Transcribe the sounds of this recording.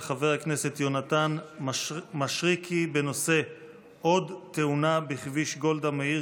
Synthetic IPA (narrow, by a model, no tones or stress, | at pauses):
χave̞ʁakne̞se̞t̪jo̞natan | maʃʁikʰibe̞no̞se̞ | o̞dt̪e̞unabiχviʃɡo̞ld̪amei